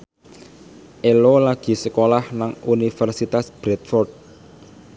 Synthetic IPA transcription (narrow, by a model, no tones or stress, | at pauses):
ʔelolaɡ̥i̤səkolahnaŋunifɛrsit̪asb̥ɾɛt̪̚fɔrd̚